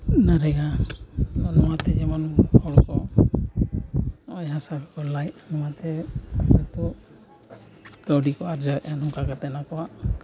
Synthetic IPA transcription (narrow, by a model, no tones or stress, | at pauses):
naɾɛɡa | anɔmat̪ɛd͡ʒɛmanbʰɔɽkɔ | ɔjɦasabikɔlajnɔmat̪ʰɛɛt̪ɔ | ɡawɖikɔaɾd͡ʒanɔŋkakat̪ɛnakɔwa